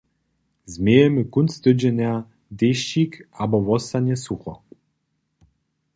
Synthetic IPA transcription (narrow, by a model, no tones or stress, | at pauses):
zmʲejemɘkunst̪ɘd͡ʑenʲa | d̪eɕikabɔvɔsanʲesuxɔ̰